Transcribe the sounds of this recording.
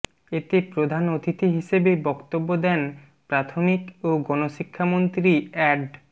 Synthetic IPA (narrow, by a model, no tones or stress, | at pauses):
et̪epɾod̪ʱanot̪ʰit̪iɦiʃebebɔkt̪obːod̪ɛn | pɾat̪ʰomikoɡɔnoʃikʰːamont̪ɾiɛɖ